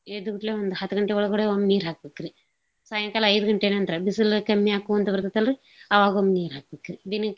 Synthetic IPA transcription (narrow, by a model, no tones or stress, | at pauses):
ed̪uɡuʈleːʋɐnd̪uhɐt̪ːɐɡɐɳʈeɔɭɐɡoɽeomniːɾɦaːk̚bekːiɾi | saːjɐŋkalɐɐjd̪uɡɐɳʈeːneɐnt̪ɾɐbisilkɐmːiaːkuɐnt̪ɐʋɐɾt̪ɐt̪ɐlɾi | ɐʋaːɡomniːɾɦaːk̚bekːiɾid̪inː